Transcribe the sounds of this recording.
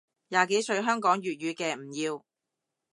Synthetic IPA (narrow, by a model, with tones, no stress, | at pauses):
jaː˨˧ke˨˥jsɵ˧ɥɦœː˥ŋkɔː˨˥ŋɥyː˨t̚jyː˨˧kɛː˧m̩˨˩jiː˧w